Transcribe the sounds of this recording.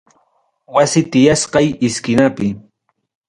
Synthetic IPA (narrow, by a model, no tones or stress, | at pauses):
wasɪt̪ɪjasqɑjɪskɪnapɪ